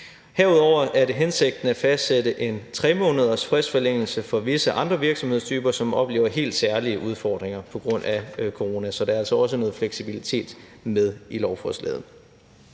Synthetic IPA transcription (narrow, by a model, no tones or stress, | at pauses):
hæɐ̰uð̞ˠɒʊ̰ɐʔæɐɾe̝ɦense̝ɡ̥̚d̥n̩æfæsd̥sedəʔe̝nt͡sʰʁɛmo̝̽ːnəð̞ˠɐsfʁɛsfɒ̽leŋ̰l̩səfɒ̽ʋe̝səʔɑ̈nd̥ʁɐʋiɐɡ̥sɒ̽mheð̰ˠst͡sʰyːb̥ɐsɒ̽mɒ̽b̥le̝ːʊɐɦe̝̰ːld̥sæɐliəʔuð̞ˠfɒːd̥ʁeŋɐpʰɒ̽ɡ̥ʁɔ̽n̰ækʰo̝ʁo̝næsɒ̽d̥eæɐælsɒɒ̽s̬ənɔ̽ːð̩ˠfleɡ̥sib̥ilit͡sʰe̝̰ːd̥með̞ˠilɒʊfʰɔslɛ̰ːðˠn̩